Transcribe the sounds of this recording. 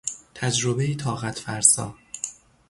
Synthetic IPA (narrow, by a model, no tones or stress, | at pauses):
t̪ʰæd͡ʒɾobejit̪ʰɒːɣæt̪ʰfæɾsɒ̰ː